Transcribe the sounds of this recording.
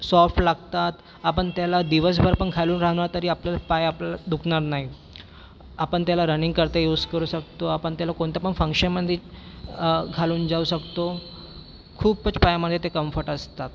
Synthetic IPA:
sɔfʈlaɡt̪at̪ | apəɳt̪jalad̪iʋəs̬bʱəɾapəɳɡʱaluːnɾaɦnaɾt̪əɾiːapljalapajapljalad̪ukʰɳaɾnaɦi | apəɳt̪jalaɾəniŋɡ̚kəɾt̪əjuːd͡zkəɾuːɕək̚t̪oapəɳt̪jalakoɳt̪japəɳfə̃ŋkɕənməd̪ʱːje | ɡʱaluːnd͡zauːɕəkt̪o | kʰuːbpət͡spajaməd̪ʱːjet̪ekəmfəɾʈəst̪at̪

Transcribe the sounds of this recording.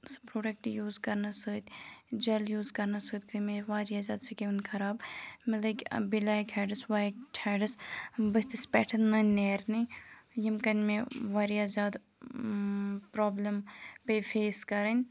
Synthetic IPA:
sɨ̥pɾoːɖɐk̚ʈjuːzkɐɾnɐsɨːt̪ʲd͡ʒɐljuːzkɐɾnɐsɨːt̪ʲkʰɨmeʋaːɾiaːzʲaːd̪sɐkʲeunkʰɐɾaːbmɐlɐkʲbilaːjkʰɛːɖɨsʋaːʈʰɛːɖɐsbəst̪ispɛːʈʰɐnnɐneːɾnijɐmkɐnʲmeʋaːɾiaːzʲaːd̪ | pɾɔːblɐmpefeːskɐɾɐnʲ

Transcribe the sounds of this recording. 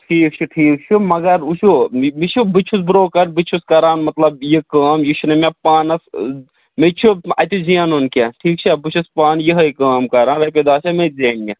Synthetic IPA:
ʈʰiːk̚t͡ʃʰuʈʰiːk̚t͡ʃʰumɐɡɐɾut͡ʃʰumit͡ʃʰubit͡ʃʰus̬bɾoːkɐɾbit͡ʃʰuskɐɾaːnmɐt̪lɐbjikaːmjiʃunɐmepaːnɐs | met͡ʃʰuɐ̰t̪izijanunkeʈʰiːk̚t͡ʃʰebit͡ʃʰuspaːnjiɦɐikaːmkɐɾaːnʋeped̪aːt͡ʃʰɐmezeːnɡʲe

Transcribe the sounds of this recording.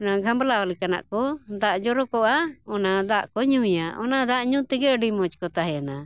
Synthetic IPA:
naɡʱamblaɔlikana̰ʔkɔd̪aʔd͡ʒɔɾɔkɔʔaɔnad̪aʔkɔɲuijaʔɔnad̪aʔɲũt̪ɛɡɛəɖimɔt͡ʃkɔt̪aɦɛana

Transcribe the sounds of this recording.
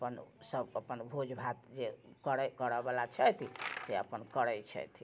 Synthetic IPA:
əpənsəbəpənbʱod͡ʒbʱat̪d͡ʒekəɾɛkəɾəbalat͡ʃʰɛt̪ʰiseəpənkəɾəjt͡ʃʰɛ̰t̪ʰi

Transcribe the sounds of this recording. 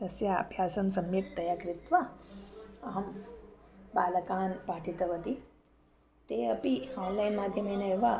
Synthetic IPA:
t̪ɐsjaɐ̰bʱjaːsɐmsɐmjek̚t̪ɐjaːkɾɪt̪ʋa | ɐɦɐm | baːlɐkaːnpaːʈʰit̪ɐʋɐt̪i | t̪eəpiɔːnlajnmaːd̪ʱjɐmenɐeʋa

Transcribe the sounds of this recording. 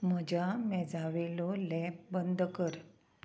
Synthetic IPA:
m̤əd͡ʑamɛ̃d͡zaʋilɔlɛp̚bənd̪ʱkəɾ

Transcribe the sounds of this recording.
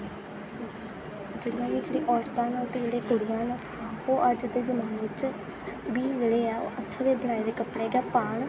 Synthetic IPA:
d͡ʒeːlãːkiːd͡ʒeːɽiːʔɔːɾt̪ãːnaːt̪eɽeːkʊɽːãːn | oːʔəd͡ʒd̪eːzəmaːnʋɪt͡ʃ | biːləɽeːɛːo̰ːʔət̪ʰːãːd̪eːbəɳaːed̪eːkəpɽɛːɡɛːpaːɳ

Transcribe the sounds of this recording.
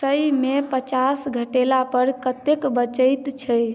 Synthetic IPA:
səjmepət͡ʃasɡʱəʈelapəɾkət̪ekbət͡ʃəjt̪t͡ʃʰə

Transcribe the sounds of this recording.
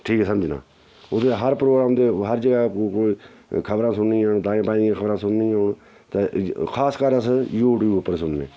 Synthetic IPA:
ʈʰiːkːsəmd͡ʒna̰ː | ʊd̪eɦəɾpɾoːɡɾaːmd̪eːɦəɾd͡ʒəɡaːkoːiː | kʰəbɾãːsʊnnĩːaɳd̪ãːẽːpaːĩːd̪jãːkʰəbɾãːsʊnnĩːʊɳ | t̪ekʰaːskəɾəsjuːʈiːʊpːəɾsʊnnḛː

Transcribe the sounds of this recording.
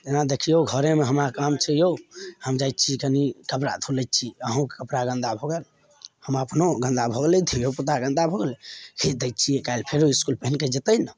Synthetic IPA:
d͡ʒ̪enad̪ekʰijoɡʱəɾemeɦəmɾakamt͡ʃʰɛjohəmd͡ʒajt̪̚ːt͡ʃʰikənikəpɾa̰t̪ʰulət̪t͡ʃʰiəɦũkekəpɾaɡə̃nd̪abʱoɡel | həməpnoɡə̃nd̪abʱoɡeled̪ʰʱijoput̪aɡə̃nd̪abʱoɡelekʰed̪ejt̪ːt͡ʃʰijekajlpʰeɾoiskulpeɦənked͡ʒet̪əjnə

